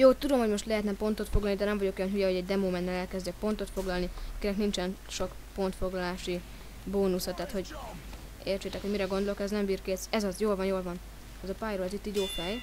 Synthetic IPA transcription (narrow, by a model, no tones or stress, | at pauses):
joːt̪ud̪o̞mhoɟmo̞ʃt̪lɛɦɛt̪nɛpo̞nt̪o̞t̪foɡlɒlnid̪ɛnɛɱvɒɟo̞ko̞jɒnɦyjɛɦo̞ɟɛɟd̪ɛmoːmɛnːɛlɛlkɛzdd͡ʒɛk̚po̞nt̪o̞t̪fo̞ɡlɒlnikiɾɛknint͡ʃɛnʃo̞k | po̞nt̪fo̞ɡlɒlaːʃi | boːnusɒt̪aːt̪ho̞ɟ | eːrt͡ʃeːt̪ɛkho̞ɟmiɾɛɡo̞nd̪olo̞kɛznɛmbiːrkeːt̪sɛzɒzjoːlvɒnjoːlvɒn | ɛzɒpajɾolzit̪ːiːɟjoːfɛj